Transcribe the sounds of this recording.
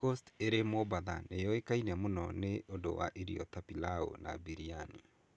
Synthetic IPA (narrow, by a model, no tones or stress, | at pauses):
osteɾemobaða̰nejɔekainɛmonɔ̰neʔondo̰wa̰ʔiɾḭɔ̰t̪apilao̰na̰biɾiani